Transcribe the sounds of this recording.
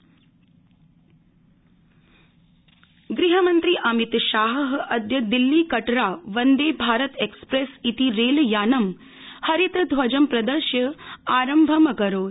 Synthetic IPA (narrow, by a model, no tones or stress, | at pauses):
ɡɾiɦɐmɐnt̪ɾiʔɐmit̪ʃaːɦɦɐd̪jɐd̪ilːikɐʈɾaːʋɐnd̪eːbʱaːɾɐt̪ekspɾesit̪iɾeːljaːnɐm | hɐɾit̪d̪ʱʋɐd͡ʒɐmpɾɐd̪əɾʃjɐaːɾɐmbʱɐmɐkɐɾoːd̪